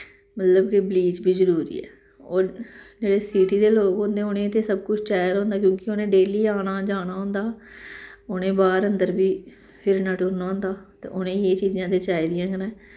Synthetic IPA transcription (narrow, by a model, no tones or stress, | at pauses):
mət̪ləbkɪbliːt͡ʃbiːzəɾuːɾḭːɛ̰ː | oːɾd͡ʒeːɽeːsiːʈiːd̪eːloːkõnd̪ẽːʊnẽːt̪eːsəb̚kʊt͡ʃʰt͡ʃaːjɾõːnd̪aːkjõːkɪoːnẽːɖeːliːaːñaːd͡ʒaːñaːɦõːnd̪aː | ʊnẽːbaːɾənd̪əɾbiː | pʰɪɾnaːʈʊɾnaːnd̪aːt̪ḛːʔʊnẽːeːt͡ʃiːzãːt̪eːt͡ʃaːid̪ɪjãːkənɛː